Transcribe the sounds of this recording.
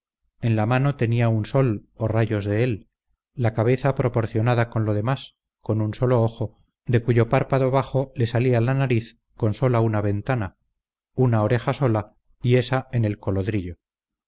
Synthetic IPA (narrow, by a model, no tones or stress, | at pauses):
e̞nlamano̞t̪e̞niaunso̞loraʝo̞zðe̞elː | akaβ̞e̞θapɾo̞po̞ɾθjo̞naðako̞nlo̞ð̞e̞mas | ko̞nunso̞lo̞oxo̞ | d̪e̞kuʝo̞paɾpaðo̞β̞aχo̞le̞salialanaɾiθ | ko̞nso̞launaβe̞nt̪ana | unaoɾe̞xaso̞la | ie̞sae̞ne̞lko̞lo̞ðɾiʎo̞